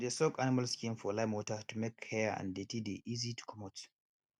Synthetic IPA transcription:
desɔɡanɪmalskĩnfɔlaɪmwɔtətumekʰːɛã̰ndetideʔizitu̥kʰɔmot

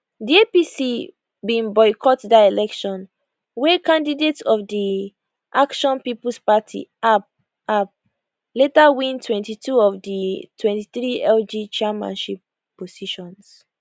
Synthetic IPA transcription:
diepisi | bĩnbɔɪkʰɔtdaelɛkʃɔ̃n | wekãndidetsɔfdi | ʔakʃɔ̃npiplspatʰḭab | ap̚ | letawĩntʰwɛ̃ntitʰuɔvditʰwɛ̃nti̥θɹiɛld͡ʒit͡ʃɛmã̰nʃip̚ː | osiʃɔ̃ns

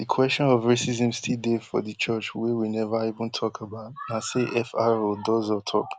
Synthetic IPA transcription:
dikʰwɛst͡ʃɔ̃nɔvɹisizɛ̃mstʰidefɔ̰ðɨt͡ʃʰɜt͡ʃwɛwinɛvaivə̃ntʰɔkʰabaʊtnaseʔɛfaodɔzɔtʰɔ̰k

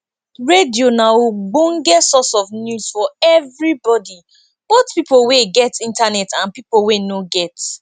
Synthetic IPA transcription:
ɹedionaoɡ͡bõŋ̩ɡɛtsɔsɔvnjuz̥fɔɛvɹibɔdi | b̥oθpipoweɡɛtĩntanɛtãnpipowenoɡɛt

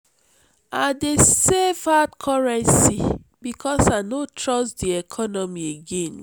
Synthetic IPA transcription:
adesevatkʰɔɹɛ̃nsibikʰɔsanotʰɹɔsdiɛkʰɔnɔmieɡẽn

